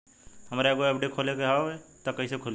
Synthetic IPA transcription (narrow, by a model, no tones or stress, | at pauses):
hɐmːɾeɛɡoɛpɖekʰoːlekeɦaoet̪akɐɦisekʰoːl